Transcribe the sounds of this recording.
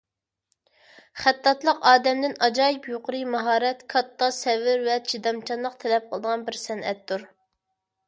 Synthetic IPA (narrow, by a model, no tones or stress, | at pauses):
χæt̪ːɑt̪lˠəqɑːd̪ɛmd̪ɪnɑd͡ʒɑːjipjoqʊɾɨmɑɦɑːɾɛt̪kʰɑt̪ːɑsɛvɪɾwɛt͡ʃʰid̪ɑmt͡ʃʰɑnlˠəqt̪ʰɛlɛp̚qʰəlˠd̪əʁɑnbɪɾsɛnɛ̰t̪ːuɾ